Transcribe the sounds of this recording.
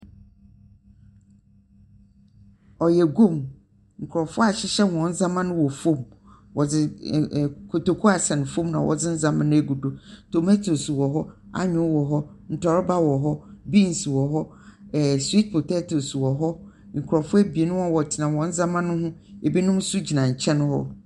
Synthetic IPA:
ɔ˨jɛ˨ɡo˦˨m | ŋ̩˨kʰʊ˨ɾɔ˨fʊ˦a˨ɕɪ˦ɕɛ˦wɔ̃˨n̩˦zã˦mã˦nʊ̃˦wɔ˨fõ˦m | wɔ˨d͡zɪ˦˨ | kʰo˨to˨kʰu˦a˨sɛ˨ñ˨fõ˦mnã˨wʔɔ̰˨d͡zɪ˦n̩˦zã˦mã˦nʊ̃˦æ˨ɡu˨do˨tʰo˨mɛ˦tʰo˨swɔ˨ɦɔ˦a̰˦ɲᶣʊ̃˦wɔ˨ɦɔ˦ | n̩˨tʰɔ˨ɾɪ˦ba˦wɔ˨ɦɔ˦bi˦n˨swɔ˨ɦɔ˦˨ | swi˦t̚pʰo˨tʰɛ˦to˨swɔ˨ɦɔ˦ | ŋ̩˨kʰɾɔ˨fʊ˦æ˦bi˨e˨nʊ̃˦hɔ̃˦wɔ˨tʰɪ˨nã˨wɔ̃˨n̩˦zã˦mã˦nʊ̃˦ɦʊ̃˦e˨bi˦nʊ̃˦m˦sʊ˦d͡ʑi˨nã˨ɲ̩˨t͡ɕʰɛ̃˦nʊ̃˦hɔ̰˦

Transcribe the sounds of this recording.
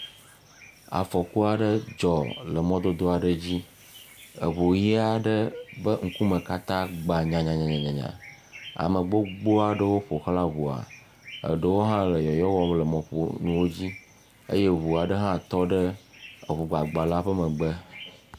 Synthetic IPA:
a̰˨fɔ˨ku˦a˨ɖə˦d͡ʒɔ˨lə˨mɔ̃˦d̪o˦d̪o˦a˨ɖə˦d͡ʑi˦ | ə̰˨βo˨ji˦a˨ɖə˦bə˦ŋ̩˦ku˦mə̃˨ka˦t̪ã˦ɡ͡ba˨ɲã˨ɲã˨ɲã˨ɲã˨ɲã˨ɲã̰˨ | a̰˨mə̃˨ɡ͡bo˦ɡ͡bo˦a˨ɖə˦wo˦ɸo˨xla˦βu˨a̰˨ | ə̰˨ɖə˦wo˦ɦã˦lə˨jɔ˨jɔ˦wɔ˦m˦lə˨mɔ̃˨ɸo̰˦nũ˦wo˦d͡ʑi˦ | ə̰˦je˦βu˨a˨ɖə˦ɦã˦t̪ɔ˦ɖə˦ə˨βu˨ɡ͡ba˨ɡ͡ba˨la˦ɸə˦mə̃˨ɡ͡bə˦

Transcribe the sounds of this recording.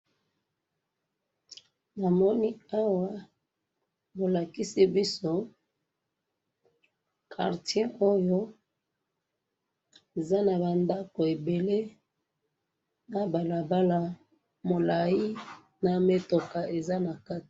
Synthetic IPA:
na˨mɔ˦ni˦a˦wa˨ | bo˨la˨ki˦si˦bi˦so˦ | kʰa̰˨ʁtjɛ˦ʔo˦jo˦ | e˨za˦na˨ba˨nda˦ko˨e˨be˨le˦ | na˦ba˨la˨ba˦la˨ | mo˨la˨ji˦ | na˨me˦to˨ka˨e˨za˦na˨ka˦ti̥˨

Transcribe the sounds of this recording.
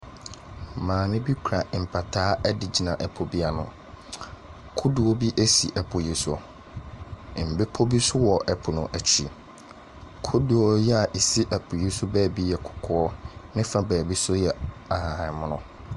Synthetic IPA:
mãː˨mɪ̃˦bi˦kʰu˨ɾa˨m̩˨pʰa˨tʰaː˨˦ɛ˦dɪ˨d͡ʑi˨nã˨ʔɛ˨pʰo˨bi˦a˦nʊ̰̃˨ | kʰʊ˦du˨o˦bi˦ʔe˦si˨ʔɛ˨pʰʊ˨ji˦sʊ˦˨ | m̩˨bɪ˦pʰo˦bi˦sʊ˦wɔ˨ʔɛ˨pʰʊ˨nʊ̃˨ʔæ˨t͡ɕʰi˨ | kʰʊ˦du˨ɔ˦jɛ˦a˨ʔe˨si˦ʔæ˨pʰʊ˨ji˦sʊ˦bɛː˦˨bi˦jɛ˨kʰʊ̥˨kʰɔ˦ɔ˦nɪ̃˦fa˦bɛː˨bi˦sʊ˦jɛ˨a˨hã˨hã˨mʊ̃˦nʊ̃˦

